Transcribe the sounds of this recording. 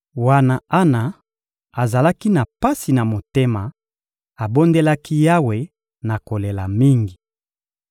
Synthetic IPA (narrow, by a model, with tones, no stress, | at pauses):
wa˦na˨a˦na˨ | a˨za˨la˦ki˦na˨pa˦si˨na˨mo˨te˦ma˨ | a˨bo˦nde˦la˦ki˦ja˦we˨ | na˨ko˨le˨la˨mi˦ŋɡi˨